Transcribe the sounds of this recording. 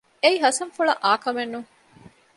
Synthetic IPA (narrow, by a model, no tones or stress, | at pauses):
eiɦɐsɐnfuɭɐʔaːkɐmenːuŋ